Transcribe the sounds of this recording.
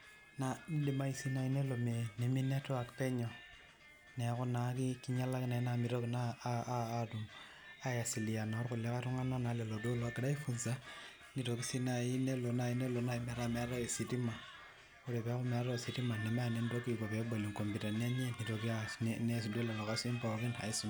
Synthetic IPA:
na˨n˦di˦ma˦i˦si˦na˨i˦ne˦lo˨me˨ni˨mi˦nɛ˦tɔ˦a˨kpɛ˦ɲɔ˨ | nɛ˨˦kɔ˦na˨ki˦ki˦ɲa˦la˦ki˦na˨˦na˨mi˨ɾo˦kinaː˦ | du˨m | a˦ja˨si˨li˨a˨nɔ˨˦ɾkʊ˨la˦ka˦tu˦ŋa˦na˦na˨lɛ˨lo˨do˦lɔ˨a˦ɡɪ˨da˦i˦fu˦nsa˦ | ni˨to˨ki˦si˦na˨ji˦ne˦lo˨na˦i˨ne˦lo˨na˦i˦mɛ˦ɾa˦mɛ˨a˦ɾa˦e˨si˨ti˦ma˨ | o˦ɾe˨pa˦ku˦mɛ˨a˨ɾɔ˦e˨si˨ti˦ma˨nɛ˨ma˦˨ne˦ndo˦ki˨ko˨pɛ˨˦bo˨li˨ŋko˨mbi˨ta˨n˦a˦ɲe˦ni˨to˨ki˦annɛ˦s̬i˨do˦lɛ˨lɔ˨ka˦si˦mpɔ˨ki˦na̰˨i˦si˨m

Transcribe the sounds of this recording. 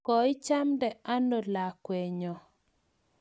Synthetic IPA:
kɔ˨ɪ˦t͡ʃa˦mdɛ˨a˦no˨la˨kwe˨ɲɔ˨

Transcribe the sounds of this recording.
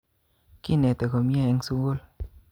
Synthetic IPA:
ki˦˨nɛ˨t̪ɛ˨kɔ˨mjɛ˦ɛ˧˦ŋsu˦wo˦l

